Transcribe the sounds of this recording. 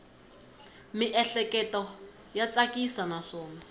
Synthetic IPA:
mɪʔɛɬɛkɛtɔ | jat͡sʼakisanaʂɔːma

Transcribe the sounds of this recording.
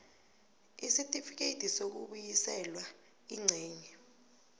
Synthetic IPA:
isitʼifik̬ʼetʰʼisok̬uɓujisɛlwa | iŋ͡ǀʱɛːɲɛ

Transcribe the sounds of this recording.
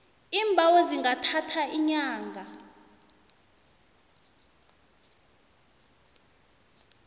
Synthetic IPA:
imbʱaweziŋɡatʰatʰaʔiɲaːŋɡʱa

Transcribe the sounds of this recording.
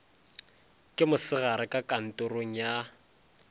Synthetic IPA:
kʼɪmʊsɪɣaɾɪkʼakʼan̩tʼoroŋ̩ja

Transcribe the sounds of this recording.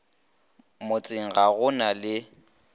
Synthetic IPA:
mʊt͡sʼɪŋ̩ɣaɣʊnalɪ

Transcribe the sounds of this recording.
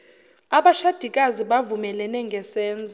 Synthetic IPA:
aɓaʃad̥ʱikʼaziɓavumɛlɛnɛŋɡʱɛsɛːnd͡zʱɔ

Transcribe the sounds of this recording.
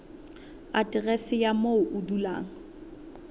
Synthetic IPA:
atʼɪrɛsɪjamoʊʔʊdula̰ːŋ̩

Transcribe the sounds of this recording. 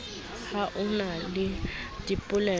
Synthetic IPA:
haʔʊnalɪdipʼʊlɛ

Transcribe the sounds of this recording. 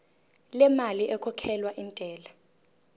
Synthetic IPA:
lɛmaliʔɛkʰɔkʰɛlwaʔintʼɛːla

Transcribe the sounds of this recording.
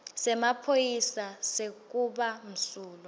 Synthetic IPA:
sɛmapʰojisasekk̬uɓam̩suːlɔ

